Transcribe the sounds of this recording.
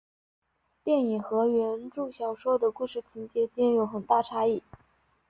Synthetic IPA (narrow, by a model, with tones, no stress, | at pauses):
t̪jɛ˥˩ni˨˩xɤ˧˥ɥɛ˧˥nʈ͡ʂu˥˩ɕjɑ˨˩ʊʂwɔ˥d̪ə˨ku˥˧ʂɻ̩˥˩t͡ɕʰi˧˥nt͡ɕjɛ˧˥t͡ɕjɛ˥njo˧˥ʊxə˨˩nt̪a˥˩ʈ͡ʂʰa˧˥i˥˩